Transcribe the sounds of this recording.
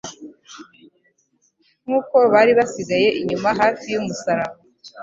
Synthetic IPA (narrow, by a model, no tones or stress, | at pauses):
ŋ̥uːko̞βaːɾiβasiɡaje̞ʔiɲumaɦaːfijumusaɾama